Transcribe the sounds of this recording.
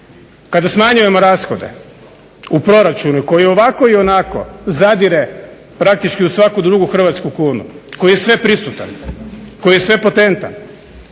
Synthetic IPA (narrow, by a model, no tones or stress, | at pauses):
kad̪asmaɲuje̞mo̞ɾaːsxo̞d̪e̞̰ | upɾo̞ɾat͡ʃunuko̞jio̞ʋako̞io̞nako̞̰zad̪iɾe | pɾak̚t̪it͡ʃkiusʋakud̪ɾuːɡuxr̩ʋat̪skukuːnṵko̞jijesʋe̞pɾisut̪a̰nko̞jije̞sʋe̞po̞t̪e̞nt̪a̰n